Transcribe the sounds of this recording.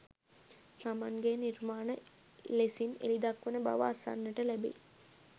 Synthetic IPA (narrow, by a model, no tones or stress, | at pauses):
t̪amaŋɡenirmaːnə | lesinḛlid̪akːʋenəba̰ʋə̰asa̰nːəʈəlæbḭl